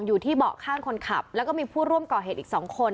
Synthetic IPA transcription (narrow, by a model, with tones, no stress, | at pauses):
ŋjuː˨˩t̪ʰiː˥˩bɔ̰ː˨˩kʰaː˥˩ŋkʰo˧nkʰa̰˨˩p̚lɛ˦˥kɔː˥˩miː˧pʰuː˥˩ɾu˥˩əmkɔː˨˩ɦeː˨˩t̪̚ʔiː˨˩k̚sɔː˩˦ŋkʰo˧n